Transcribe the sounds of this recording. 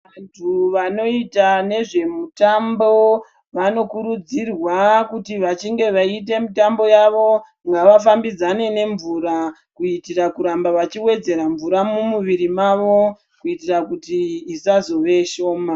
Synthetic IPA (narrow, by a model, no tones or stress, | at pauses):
ʋantʰuʋano̞itane̞ʐe̞mutambo̞ | ʋano̞kuɾud͡zirwakutiʋat͡ʃiŋɡe̞ʋait̬e̞mitambo̞jaʋo̞ | ŋɡaʋafambid͡zane̞ne̞ɱvuɾa | kuitiɾakuɾambaʋat͡ʃiwe̞d͡ze̞ɾaɱvuɾamumuʋiɾimaʋo̞ | kuitirakutiːsazo̞ʋe̞ʃo̞ːma